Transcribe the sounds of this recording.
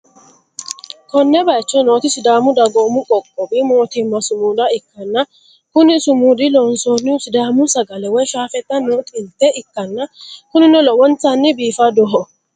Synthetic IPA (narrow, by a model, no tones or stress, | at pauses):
kɔnːɛbɐjt͡ʃːɔnoːt̪ɪsɪd̪aːmʊd̪ɐɡoːmʊkʼɔkʼːɔbɪmoːt̪ɪmːɐsʊmuːd̪ɐɪkːɐnːɐ | kʊnɪsʊmuːd̪ɪlɔnsoːnːɪʊsɪd̪aːmʊsɐɡɐlɛwɔjʃaːfɛt̪ʼːɐnːɔːt̪ʼɪnt̪ːɛɪkːɐnːɐkʊnɪnɔlɔwɔnt̪ɐnːɪbiːfɐd̪ɔɦɔ